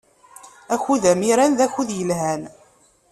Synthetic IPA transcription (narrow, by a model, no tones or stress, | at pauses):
æçuðæmiɾænðæçuðjəlɦæn